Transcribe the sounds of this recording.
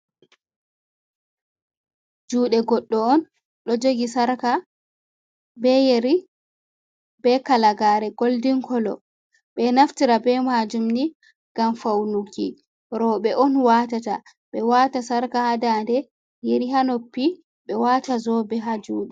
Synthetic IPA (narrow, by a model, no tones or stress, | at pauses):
d͡ʒuːɗɛɡɔɗːɔɔn | ɗɔd͡ʒoɡisaɾka | bɛjeɾi | bɛkalaɡaɾɛɡoldiŋkʰɔlɔ̰ | ɓɛnaftiɾabɛmad͡ʒumni | ɡ̥amfawnuki | ɾɔɓɛʔɔnwatata | ɓɛwaːtasaɾkahadandɛ | jeɾiɦanopːi | ɓɛwaːtazɔbɛɦad͡ʒuːɗɛ